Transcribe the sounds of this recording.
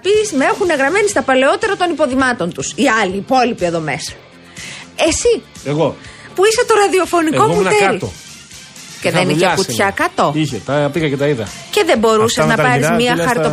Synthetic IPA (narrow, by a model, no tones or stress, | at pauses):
pismeexune̞ɣɾɐme̞nist̪ɐpɐle̞o̞t̪e̞ɾɐt̪o̞nipo̞ðimɐt̪o̞nt̪usiɐliːpo̞lipie̞ðo̞me̞sɐ̥ | e̞sieɣopuiset̪o̞ɾɐðio̞fo̞niko̞kut̪elo̰ | ceðeniçekuçɐkɐt̪o̞içet̪ɐpiɣɐcet̪ɐiðɐ̰ce̞ðebo̞ɾuseznɐpɐɾizmɐtxɐɾt̪o